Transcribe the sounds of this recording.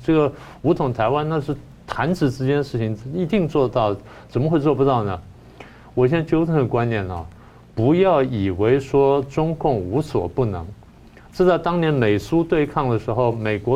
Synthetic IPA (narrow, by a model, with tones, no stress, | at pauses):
ʈ͡ʂɤ˥˩ɡə˩ | u˧˥t̪ʰʊ˨˩ŋt̪ʰa˧˥ɪwa˥nna˥˧ʂɻ̩˥˩ | t̪ʰa˧˥nʈ͡ʂɻ̩˨˩ʈ͡ʂɻ̩˥t͡ɕjɛ˥nʂɻ̩˥˩t͡ɕʰi˨˩ŋ˥i˧˥t̪i˥˧ŋt͡swɔ˥˧t̪ɑ˥˩ʊ | ʈ͡ʂə˨˩nmə˧xwe˥˧ɪt͡swɔ˥˩pu˧˥t̪ɑ˥˩ʊnə˩ | wɔ˨˩ɕjɛ˥n˥t͡ɕjo˥ʊt͡sʰə˥˩d̪ə˩kwa˥nnjɛ˨˩nə̰˧˩ | pu˧˥jɑ˥˩ʊi˨˩we˧˥ɪʂwɔ˥ʈ͡ʂʊ˥ŋkʊ˥˩ŋu˧˥swɔ̰˨˩pu˥˩nɤ˧˥ŋ | ʈ͡ʂ̩˥˧t͡sa˥˩ɪt̪ɑ˥ŋnjɛ˧˥nme˨˩ɪsu˥t̪we˥˧ɪkʰɑ˥˩ŋd̪ə˩ʂɻ̩˧˥xo˥˧˩ʊme˨˩ɪkwɔ˧˥